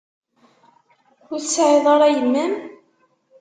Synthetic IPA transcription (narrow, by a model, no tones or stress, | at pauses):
ʊɾsʕeðˤɑɾˤɑjənːæm